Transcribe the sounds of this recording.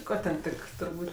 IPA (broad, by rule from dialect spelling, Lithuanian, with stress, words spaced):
ˈkoː tʲɛn ˈtʲɪk tʊrˈbuːtʲ